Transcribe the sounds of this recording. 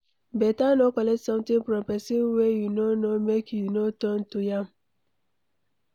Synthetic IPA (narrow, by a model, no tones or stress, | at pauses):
bɛtanokɔlɛtsɔ̃mtĩŋfɾɔ̃mpɛsinwejunonomekjunotɔn̩tujãm